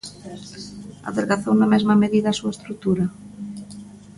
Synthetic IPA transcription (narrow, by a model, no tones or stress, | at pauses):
a̰ðeɾɣaθownamɛzmameðiðaːsuaest̪ɾut̪uɾɐ